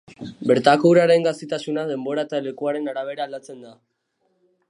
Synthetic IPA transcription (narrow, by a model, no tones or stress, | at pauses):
be̞ɾt̪akouɾaɾe̞ŋɡast̪it̪asunaðe̞mbo̞ɾaet̪ale̞kuaɾe̞naɾaβ̞e̞ɾaːlat͡se̞nd̪a